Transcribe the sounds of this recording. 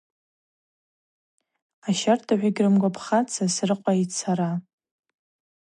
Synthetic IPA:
aʃartʰaħʷᶣaɡʲrɨmɡʷapʰχat͡sʰasrɨqʷʼait͡sʰaɾa

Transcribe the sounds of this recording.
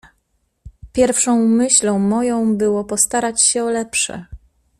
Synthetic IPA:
pʲjɛɾfʂɔ̃w̃mɘɕlɔ̃w̃mɔjɔ̃w̃bɘwɔpɔst̪aɾat͡ɕɕɛɔlɛpʂɛ̰

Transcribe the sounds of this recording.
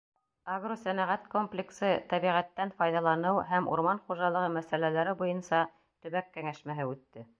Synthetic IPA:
aɡrosænæʁæt̪komplʲɪksɤt̪æβiʁæt̪ːænfɑjðɑlˠɑnɤwɦæmṵɾmɑnχuʒɑlˠɤ̆ʁɤmæsælælæɾɘbujɤnsɑ | t̪ɵ̆βækːæŋæʃmæɦɘʉt̪ːɘ

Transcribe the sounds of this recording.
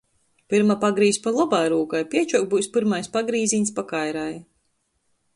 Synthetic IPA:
pɨɾmapaɡɾiːsʲpalˠɔbajɾuːkajpʲiɛt͡ʃuk̚buːjspɨɾmajspaɡɾiːziɲʲspakajɾaj

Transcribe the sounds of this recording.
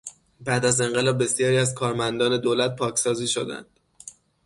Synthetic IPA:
bæːd̪æze̞ŋɢe̞lɒːb̚ːe̞sjɒːɾiːæzkʰɒːɾmænd̪ɒːne̞d̪olæt̪̚pʰɒːcʰsɒːziːʃo̞d̪æ̰nd̪̥

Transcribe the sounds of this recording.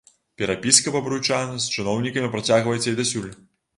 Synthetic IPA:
pʲɛɾapʲiskɐpɐbɾujt͡ʂanɐsʲt͡ʃɨnɔwnʲikɐmʲipɾat͡sʲaɣvɐjɛt̪sʲɐjd̪ɐsʲulʲ

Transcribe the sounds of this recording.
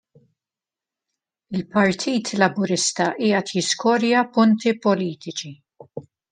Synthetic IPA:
ɪlpɐɾt̪ʰiːt̪ʰlɐbʊɾɪst̪ɐʔiːɐt̪jɪskɔːɾjɐpʊnt̪ipɔliːt̪ɪt͡ʃi

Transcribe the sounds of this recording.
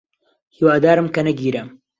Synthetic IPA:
hiːwaːd̪aːɾɨmkɐnɐɡiːɾɐm

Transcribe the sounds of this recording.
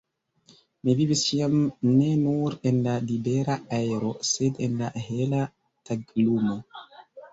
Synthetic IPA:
mivivisiamnenuɾenlalibeɾaaeɾo̞sedenlaɦela | tʰaɡlumo

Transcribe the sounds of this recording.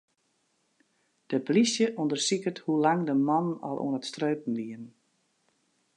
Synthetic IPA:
d̥əplisjəʔondərsikəthulaŋdəmɔnənɔ̰lˠʔṵənətstrøːp̚n̩ʋiən

